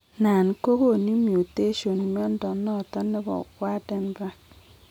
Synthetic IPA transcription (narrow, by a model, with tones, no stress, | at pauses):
na˨n̩˦ko˦ko˦˨ni˦mju˨te˦ʃo˨n˨m˦ɔ˦n̩˦dɔ˨nːɔ˦˨tɔ˦nːɪ˦bɔ̰˨kwʷa˦dɛ˦n˦ba˦